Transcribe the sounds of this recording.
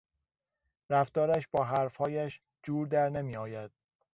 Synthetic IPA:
ɾæft̪ɒːɾæʃbɒːɦæɾfhɒːjæʃ | d͡ʒuːɾd̪æɾnemiːɒːjæd̪̥̚

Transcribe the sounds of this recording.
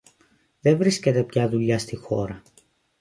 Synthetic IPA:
ðe̞vɾisce̞t̪e̞pçɐðuʎɐst̪ixo̞̰ɾɐ

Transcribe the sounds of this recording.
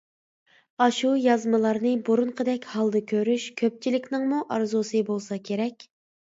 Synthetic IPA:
ɑʃujɑzmɨlˠɑɾnɨboɾunqʰəd̪ɛkʲhɑlˠd̪ɨkʲʰøɾyʃkʲʰøp̚t͡ʃʰilɪkʲnɪŋmuʔɑɾzusɨbolˠsɑkʲʰeɾɛkʲ

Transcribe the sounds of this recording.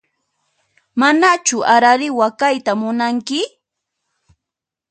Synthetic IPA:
manat͡ʃʊaɾaɾɪwakajt̪amʊnaŋkɪ

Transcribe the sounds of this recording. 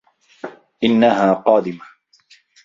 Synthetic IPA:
ʔɪnːaɦaːqɑːd̪ɪma

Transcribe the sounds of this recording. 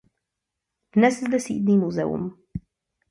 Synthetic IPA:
d̪̥nɛszd̪ɛsḭːd̪nimuzɛ̰ṵm

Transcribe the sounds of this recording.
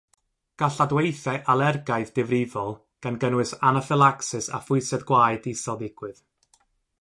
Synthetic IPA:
ɡ̥aɬadwejθɛʔalˠɛrɡajðdɪvrɪvɔlˠ | ɡ̥anɡənwɨsanəfɪlˠaksɨsa̰fʊɨsɛdɡwaːjdisɔlˠdɪɡ̥wɨð̥

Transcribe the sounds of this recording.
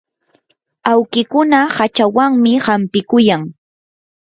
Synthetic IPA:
awkɪkʊnahat͡ʃawaŋmɪhampɪkʊjaŋ

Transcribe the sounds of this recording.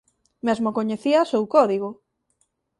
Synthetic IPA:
mezmokoɲeθiasowkɔðiɣo

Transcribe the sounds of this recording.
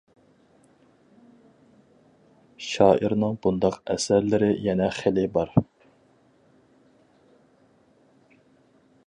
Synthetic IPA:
ʃɑːʔiɾnɨŋbund̪ɑqɛsæɾlɪɾɪjɛnɛχelɪbɑɾ

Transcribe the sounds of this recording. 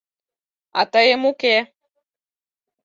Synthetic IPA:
a̰t̪ajemukɛ

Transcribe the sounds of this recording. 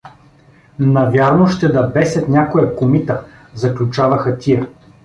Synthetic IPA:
nɐvʲjaɾnoʃt̪ɛd̪ɐbɛsʲɐt̪nʲakojɐkomit̪ə | zɐklʲut͡ʃavɐxɐt̪ʲijə

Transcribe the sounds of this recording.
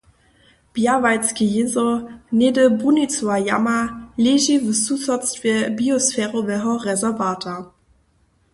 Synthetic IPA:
b̥javat͡skəjezonedəbunit͡suajamaleːʒivət͡susɔt͡stvɛɐbiosfɛːʁovɛɦɔʁɛzɛɐvaːtʰa

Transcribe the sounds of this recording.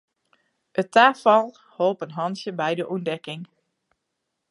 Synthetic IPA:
ətaːfɑlˠ | holˠpənɦɑnsjəbɛjdəʔundɛkɪŋ

